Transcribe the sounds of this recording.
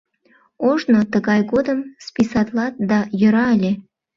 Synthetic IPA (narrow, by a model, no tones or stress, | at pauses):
oʒnot̪əɣɑjɣod̪əmspisɑt̪lɑt̪̚d̪ɑjə̆ɾɑəlʲe